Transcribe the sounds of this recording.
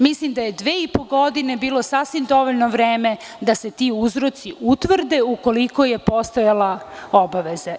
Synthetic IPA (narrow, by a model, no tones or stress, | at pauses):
mislimd̪aje̞d̪ʋeːipoɡod̪inebiːlˠo̞sasʋimd̪o̞ʋoʎnoʋɾeːme | d̪ase̞t̪iuzɾo̞t̪siʔut̪ʋr̩d̪e̞uko̞liko̞je̞po̞st̪ojalaobaʋeze